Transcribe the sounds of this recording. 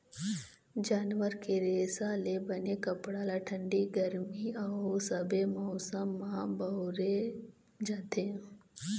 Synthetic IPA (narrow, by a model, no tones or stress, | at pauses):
d͡ʒaːnʋəɾkeɾeːsalebɐnekɐpɽalaʈʰə̃ɳɖiɡəɾmiɐɦosɐbemɔsəmːabɐɦʊɾe | d͡ʒaːt̪ẽ